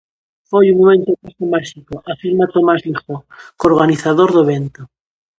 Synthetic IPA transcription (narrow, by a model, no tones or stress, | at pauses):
fojuŋmomẽnt̪okasomaʃikoʔafiɾmat̪omazlixokoɾɣ̞aniθaðoɾðoeβent̪o